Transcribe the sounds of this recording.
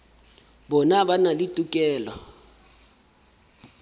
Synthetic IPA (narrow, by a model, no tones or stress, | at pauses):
bɔnabanalitʼukʼɛːla